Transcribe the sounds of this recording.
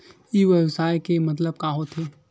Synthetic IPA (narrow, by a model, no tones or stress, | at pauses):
iʋjəwsaːjkemɐt̪̬ləb̚kaɦot̪ʰeː